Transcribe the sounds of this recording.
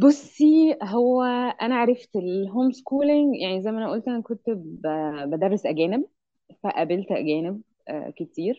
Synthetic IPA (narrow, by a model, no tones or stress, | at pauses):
bosːiɦowːæʔænæʕaɾˤɑft̪elɦoːmskuːleŋɡjʔaʕnizæjmʔænæʔoːlt̪ʔænækont̪bæbæd̪ɑrˤːesʔæɡæːneb̚ | fæʔæbelt̪ʔæ̰ɡæːneb̰̚ | ket̪iːɾ